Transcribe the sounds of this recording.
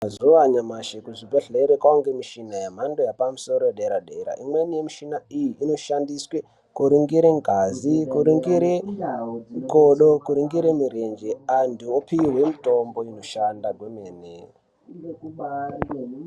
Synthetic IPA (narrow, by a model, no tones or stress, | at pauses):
azuʋaɲamaʃekuʐibʱeɬeɾekwauŋɡemiʃinajam̤ando̞japamuso̞ɾoeɗeɾaɗeɾa̰ʔimwe̞nijemiʃinaijiʔːno̞ʃandiswe | kuɾiŋɡiɾeŋɡʱazikuɾiŋɡiɾe | koɗokuɾiŋɡiɾemiɾe̞nd͡ʒeanduopiiwe̞mito̞mbo̞ino̞ʃandaɡwemeːne